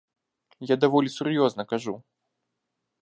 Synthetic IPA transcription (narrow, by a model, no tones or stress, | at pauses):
jad̪avɔlʲisurjɔznɐkaʐu